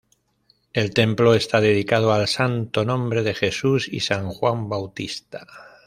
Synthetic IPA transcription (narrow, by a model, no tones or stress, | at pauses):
e̞lt̪e̞mplo̞e̞st̪aðe̞ð̞ikað̞oalsant̪o̞nõ̞mbɾe̞ð̞e̞xe̞susḭsaŋxwambawt̪ist̪ḁ